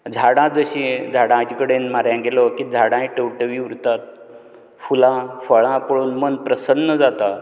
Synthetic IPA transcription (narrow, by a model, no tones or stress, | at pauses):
d͡zʱaɽãd͡zəɕĩd͡zʱaɽãd͡ʑikəɽenmaɾjãɡelɔkid͡zʱaɽãiʈəwʈəʋiʋɾut̪at̪̚ | fulãfəɭãpəɭuːnmənpɾəsənːəd͡zat̪a